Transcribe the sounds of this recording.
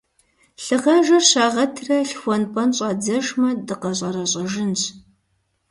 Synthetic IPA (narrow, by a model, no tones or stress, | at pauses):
ɬɨʁɐʒɐrɕaːʁɐtʰrɐɬxʷɔnpʰʼɐnɕʼɑːd͡zɐʒmɐdɨqɐɕʼɐɾɐɕʼɐʒɪnɕ